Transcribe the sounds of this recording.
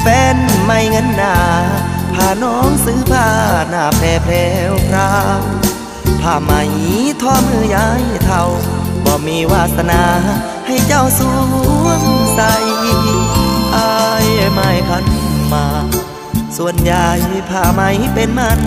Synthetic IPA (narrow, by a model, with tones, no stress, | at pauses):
fɛː˧nma˧˩jŋɤ˧˥˨nːaː˧˩ | pʰaː˧˩˨nɔː˧˥ŋsɯː˧˦pʰaː˧˩naː˧˩pʰɛː˧˩pʰɛː˧wkʰɾaː˧w | pʰaː˧˩ma˧˩jt̪ʰɔː˧˩mɯː˧˩ja˧˦jt̪ʰa˧˩wbɔː˧˩miː˧˥˨waː˧˩t̪̚sa˧naː˧ | ha˧˩jt͡ɕa˧˩wsuː˧˦ŋt̪a˧j | ʔa˧jmaː˧jpʰa˧˥nmaː˧ | su˧˨ənjaː˧˩jpʰaː˧˩ma˧jpe˧nmaː˧˨